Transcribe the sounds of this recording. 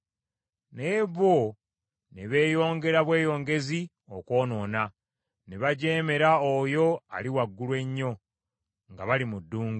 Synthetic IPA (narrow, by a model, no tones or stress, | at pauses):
neβo | neβe̞ːjo̞ːŋɡe̞ɾaβwe̞ːjo̞ːŋɡe̞zi | o̞kwo̞ːno̞ːna | neβaɟe̞ːme̞ɾaojo̞a̰liwaɡːulwe̞ɲːo̞ | ŋɡaβalimudːuːŋɡu